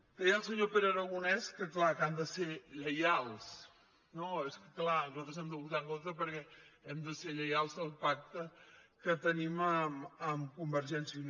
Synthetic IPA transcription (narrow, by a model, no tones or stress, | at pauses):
d̪̥ɛjəlˠsəɲopeɾəɾəɣunɛskəklakand̪əseʎəjalˠs | noeskəklazɔt̪ɾəzɛmd̪əβut̪aŋkont̪ɾəpəɾkɛɛmd̪əseʎəjalˠzðəlˠpak̚t̪əkət̪əniməməmkumbəɾʒɛnsi